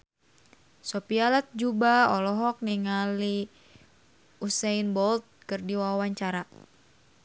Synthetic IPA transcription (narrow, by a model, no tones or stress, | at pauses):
sɔpialat̪̚d͡ʒubaɔlɔɦɔk̚niŋali | usɛinbɔlt̪̚kɨrdiwawaɲt͡ʃaɾa